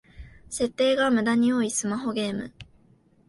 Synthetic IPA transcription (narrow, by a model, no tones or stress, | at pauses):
se̞t̪ːe̞ːɡamɯ̟d̪aɲ̟io̞isɨmaɦo̞ɡe̞ːmɯ̟̰